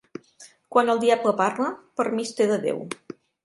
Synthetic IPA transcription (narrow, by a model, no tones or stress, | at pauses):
kwanəlˠd̪iabləparləpəɾmist̪eðəðḛw